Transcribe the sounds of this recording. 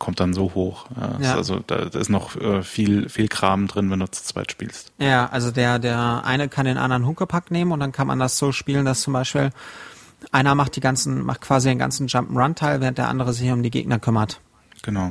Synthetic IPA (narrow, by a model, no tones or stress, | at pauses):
kʰɔmt̚d̥anzoːhoːxʔa̰ːʔa̰lzo̰d̥a̰ːda̰ɪstnɔχʔɛːfiːlfiːlkʁ̥aːmdʁɪnvɛnduːt͡su̥t͡sv̥a̰ɪtʃpḭːlstjaːʔa̰lzodeːɐdeːɐʔa̰ɪnəkʰandeːnʔa̰ndəʁənɦʊŋkəpʰakneːmənʊntd̥ankʰanma̰ndasz̥oːʃpiːləndast͡sʊmbaɪʃpḭːl | ʔaɪnɐmaχtd̥iːɡant͡sn̩mʔa̰χt̚kʰv̥aːzideːnɡa̰nt͡sn̩d͡ʒampm̩ʁantʰaɪlvɛːʁəntd̥eːɐʔa̰ndəʁ̞əzɪçʊmdiːɡḛːɡnɐkʰʏmɐt | ɡ̥ənaʊ